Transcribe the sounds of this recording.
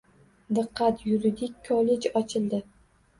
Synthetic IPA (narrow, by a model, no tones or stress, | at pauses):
d̪ɨqːɑt̪jʊɾid̪ikʲːʰɒle̞d͡ʒɒt͡ʃʰɪld̪ɪ